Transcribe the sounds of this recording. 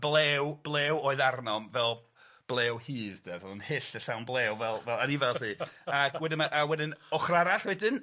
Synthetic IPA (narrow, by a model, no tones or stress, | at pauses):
blˠɛːwb̥lˠɛːwoːɨðarnɔmvɛlˠ | b̥lˠɛːwhiːðd̥avɔlˠnhɪɬəɬawnblˠɛːwvɛlˠvɛlˠanivɛlˠðiːawɛdɪnmaʔawɛdɪnɔχraɾaɬwɛdɪn